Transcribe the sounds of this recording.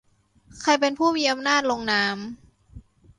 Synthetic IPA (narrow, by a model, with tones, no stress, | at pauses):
kʰa˧jpe˧npʰuː˥˩miː˧˩ʔa˧mnaː˥˩t̪̚lo˧ŋnaː˦˥m